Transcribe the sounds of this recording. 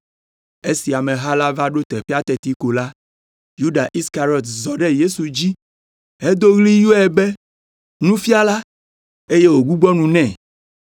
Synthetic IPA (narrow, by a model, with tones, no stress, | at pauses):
e˦si˨a˨mẽ˨ɦa˦la˦va˦ɖo˦t̪ɛ˨fi˦a˦t̪ɛ˨t̪i˦ko˨la˦ | ju˦ɖa˨ʔi˦ska˨ɾi˨ɔ˨t̪zɔ˨ɖɛ˦je˦su˨d͡ʑi˦ | e˦d̪o˦ɣli˦ju˦ɛ˨be˦ | nũ˦fi˦a˦la˦ | e˦je˦wo˨ɡu˦ɡ͡bɔ˦nũ˨nɛ̃˨